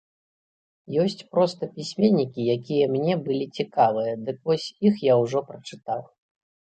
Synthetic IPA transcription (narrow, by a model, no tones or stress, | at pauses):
jɔsʲt͡sʲpɾɔst̪ɐpʲisʲmʲenʲːikʲijakʲijɐmnʲɛbɨlʲit͡sʲikavɨjɐd̪ɨkvɔsʲixjawʐɔpɾɐt͡ʂɨt̪aw